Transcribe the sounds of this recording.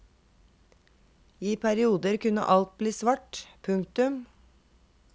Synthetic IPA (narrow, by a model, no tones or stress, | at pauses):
iːpʰæɾɪuːd̪əɾkʉnə̰ʔɑlt̪̚bliːsʋɑʈpʰʉŋkt̪ʉm